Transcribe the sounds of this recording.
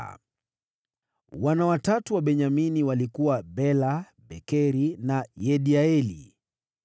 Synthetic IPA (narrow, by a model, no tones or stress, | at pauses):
wanawatatuwaɓɛɲaminiwalikuwabɛla | ɓɛkɛɾinajɛɗiaɛlḭ